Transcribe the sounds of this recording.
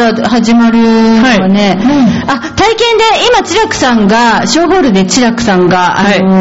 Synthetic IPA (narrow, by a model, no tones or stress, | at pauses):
ɾahaʑimaɾɯ̟ane̞at̪aikẽ̞nd̪e̞imat͡ɕiɾakɯ̟̥sãŋɡaɕo̞ːɦo̞ːɾɯ̟d̪e̞t͡ɕiɾakɯ̟̥sãŋɡaao